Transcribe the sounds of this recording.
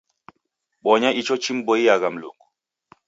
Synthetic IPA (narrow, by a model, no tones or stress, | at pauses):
ɓɔɲait͡ʃɔt͡ʃim̩bɔijaɣam̩lo̰ŋɡu